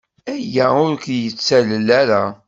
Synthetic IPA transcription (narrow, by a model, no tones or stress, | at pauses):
æjæʊɾkjət͡sːæləlːæɾæ